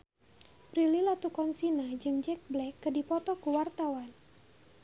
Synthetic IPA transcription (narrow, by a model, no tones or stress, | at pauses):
pɾililat̪ukɔnsinad͡ʒɨŋd͡ʒɛk̚blɛkːədipɔt̪ɔkəwart̪awan